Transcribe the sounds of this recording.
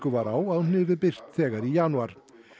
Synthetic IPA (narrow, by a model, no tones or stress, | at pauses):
kʏvaɾawaðunɪːvɪðpɪr̥t̪θɛːɣaɾijaːnuaɾ̥